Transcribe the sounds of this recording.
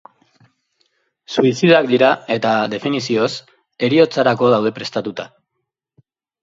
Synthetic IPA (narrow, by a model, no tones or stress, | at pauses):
suisiðakd̪iɾae̞t̪aðe̞finisio̞s | e̞ɾio̞t͡saɾako̞ð̞awð̞e̞pɾe̞st̪at̪ut̪a